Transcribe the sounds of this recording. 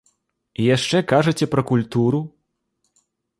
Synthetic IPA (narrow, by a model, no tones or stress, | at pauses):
ijaʂt͡ʂɛkaʐɐt͡sʲɛpɾɐkulʲt̪uɾu